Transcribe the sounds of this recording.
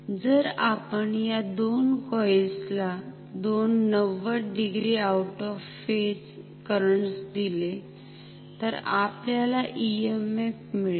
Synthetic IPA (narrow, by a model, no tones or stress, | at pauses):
d͡zəɾapəɳjad̪onkɔjsla | d̪onːəʋəɖiɡɾiawʈɔffes | kəɾəɳsd̪ile | t̪əɾapljalaʔiemefmiɭ